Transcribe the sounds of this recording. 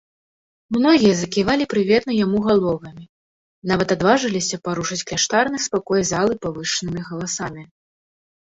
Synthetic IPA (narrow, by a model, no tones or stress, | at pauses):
mnɔɣʲijɐzɐkʲivalʲipɾɨvʲɛt̪nɐjamuɣalˠɔvɐmʲi | navɐt̪ad̪vaʐɨlʲisʲɐpaɾuʂɐt͡sʲklʲaʂt̪arnɨspakɔjzalˠɨpavɨʂɨnɨmʲiɣɐlˠasamʲi